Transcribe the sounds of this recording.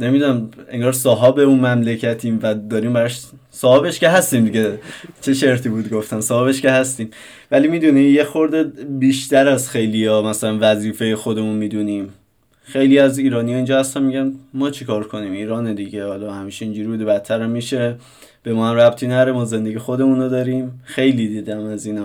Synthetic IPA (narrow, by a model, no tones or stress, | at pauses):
ne̞mid̪unæme̞ŋɡɒːɾsɒːɦɒːbeuːnmæmlecʰæt̪ʰiːmvæd̪ɒːɾiːmbæɾɒʃ | sɒːhɒːbe̞ʃkeɦæst̪iːmd̪iɟet͡ʃʰe̞ʃe̞ɾt̪ʰiːbuːd̪ɡo̞ft̪ænsɒːhɒːbe̞ʃke̞ɦæst̪iːm | væliːmiːd̪unijexo̞ɾd̪ebiːʃt̪æɾæzxe̞jlijɒːmæsælænvæziːfejexo̞d̪e̞munmiːd̪uniːm | xe̞jliːæziːɾɒːnijɒind͡ʒɒːhæst̪ænmiɟænmɒːt͡ʃʰekʰɒːɾkʰo̞niːmiːɾɒːned̪iɟehɒːlɒhæmiːʃeind͡ʒuɾibuːd̪ebæt̪ʰːæɾæmːiːʃe̞ | b̥e̞mɒːhæmɾæb̥t̪ʰiːnæɾe̞mɒːze̞nd̪e̞ɡixo̞d̪e̞muːnod̪ɒːɾiːmxejliːd̪iːd̪æmæziːnæ